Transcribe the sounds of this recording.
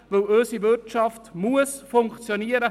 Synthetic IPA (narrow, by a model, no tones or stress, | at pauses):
vɪløsivɪt͡ʃɑftmuəsfʊŋkt͡sjoniːəɾə